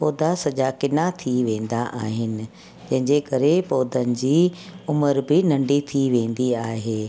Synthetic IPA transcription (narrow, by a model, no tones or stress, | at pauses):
poːd̪ʱasɐʄakɪnat̪ʰiʋẽːn̆d̪aʔa̰ːɦɪnɪ̆ | d͡ʑɐ̃ɦɪ̃ɲd͡ʑekɐɾepoːd̪ʱənɪ̆d͡ʑiːʊməɾbɪnɐ̃ɳɖit̪ʰiʋẽːn̆d̪iaːɦeː